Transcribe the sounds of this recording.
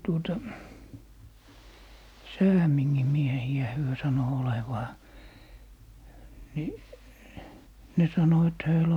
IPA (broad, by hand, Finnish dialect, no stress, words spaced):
tuotɑ sæːmiŋːim miehiæ hyø sɑno oleʋɑː ni ne sɑno et høil